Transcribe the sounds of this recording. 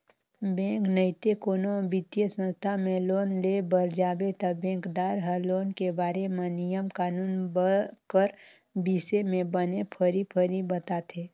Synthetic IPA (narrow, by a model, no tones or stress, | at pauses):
bẽːknəɪt̪ekoːnobɪt̪jəsə̃nst̪ʰamẽloːnlebəɾd͡ʒaːbet̪əbẽːŋkd̪aːɾɦəloːnkebaːɾemẽnijəmkaːnuːnbəkəɾ | biːsemẽbənepʰəɾipʰəɾibət̪at̪ʰeː